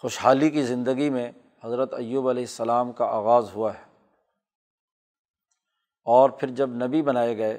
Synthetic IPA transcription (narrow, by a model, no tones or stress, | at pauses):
xoʃɦaːlikizɪ̃nd̪əɡimẽ | hɐzɾət̪ɐjːuːbɐlɛːɪsːɐlaːmkaaːɣaːzɦuaɦɛː | ɔːɾpʰɪɾd͡ʒɐbnɐbibɐnaːeɡɐeː